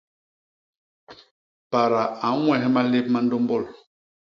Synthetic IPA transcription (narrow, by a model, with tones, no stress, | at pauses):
pa˨ɾa˨a˨˦ŋwɛ˦˨ɦɛ˦ma˦le˦p̚ma˦n̩do˦mbɔ˦˨l